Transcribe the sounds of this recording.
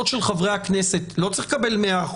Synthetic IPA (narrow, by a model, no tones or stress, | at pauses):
ot̪ʃelχavʁeaknesetlo̞t͡sʁiχkabe̞lmeaχ